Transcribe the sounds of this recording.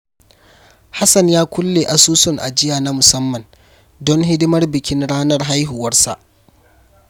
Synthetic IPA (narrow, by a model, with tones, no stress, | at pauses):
ha˦sɐ˨njaː˦kʷʊ˦lːeː˨ʔa˨suː˦sʊ˨ŋʔa̰˨d͡ʒɪ˦jaː˨na˦mʊ˨sɐ˦mːɐ˨n | dɔ˦ŋɦɪ˦dɪ˦mɐ˦rbɪ˨kʲɪ˦nɽaː˦nɐ˦rɦa˦jɦu˨wɐ˦rsa̰˨ʔ